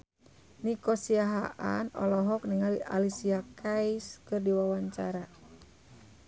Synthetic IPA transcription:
nikɔsiaɦa̰ʔa̰nɔ̰lɔɦɔk̚niŋaliʔa̰lisiakaiskɨrdiwawaɲt͡ʃa̰ɾa

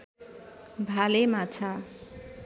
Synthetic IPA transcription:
bʱalemat͡sʰa

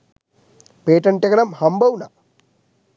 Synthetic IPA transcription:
peːʈɐɳʈɐkɐnɐmhɐmbɐwnɐ̰

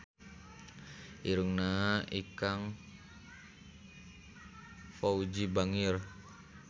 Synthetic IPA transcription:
ʔiɾuŋnaikaŋ | fɔud͡ʒibaŋir

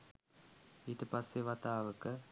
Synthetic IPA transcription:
it̪əpasːeʋat̪aːʋəkə

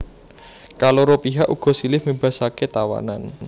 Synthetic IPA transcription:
kaloɾopiɦaʔuɡ̥ɔ̤silɪhmeb̥a̤saket̪awa̰na̰n

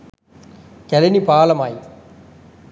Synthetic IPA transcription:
kɐlɪnipaːlɐmaːj

